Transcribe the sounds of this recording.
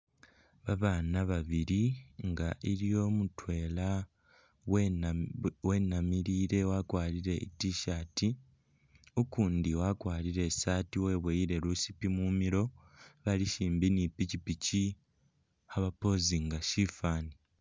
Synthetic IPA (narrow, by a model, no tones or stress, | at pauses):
βaβaːnaβaβiɾiŋɡaʔiɾijo̞ːmutwe̞ːla | we̞ːnamiɾiːɾe̞wakwaːliɾe̞ḭtiʃati | ukuːndiwakwaːliɾe̞saːtiwe̞ːβwejiɾe̞ɾusipimumiɾo̞ | βaliʃiːmbinipicipici | haβapo̞ːziŋɡaʃifaːni